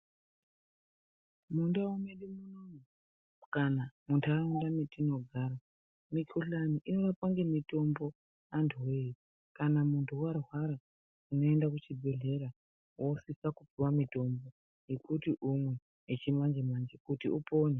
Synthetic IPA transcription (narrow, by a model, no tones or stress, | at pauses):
mundaumeɗimunomu | kanamuntʰaraundametino̞ɡʱaɾa | mikʰuɬaniʔino̞ʋapaŋɡe̞mito̞mbo̞ | antʰuwei | kanamuntʰuwarwaɾa | uno̞e̞ndakut͡ʃibʱe̞ɮe̞ɾa | wosisakupiwamito̞mbo̞ | jekutiʔumwe̞ː | t͡ʃimand͡ʒemand͡ʒekutḭʔupo̞ːne